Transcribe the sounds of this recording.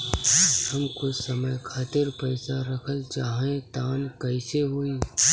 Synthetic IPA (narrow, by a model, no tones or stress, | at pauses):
hɐmkʊt͡ʃsɐməjkʰaːt̪ɪɾpəɪsaɾɐkʰəlt͡ʃaːɦẽt̪aːnkɐɪseɦoiː